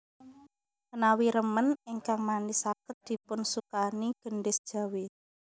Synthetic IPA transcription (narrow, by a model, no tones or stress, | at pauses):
ənawiɾəmənɪŋkaŋmanisakət̪̚d̪̥i̤pʊnsukaniɡ̥ə̤ɳɖɪsd̥ʒ̥a̤wi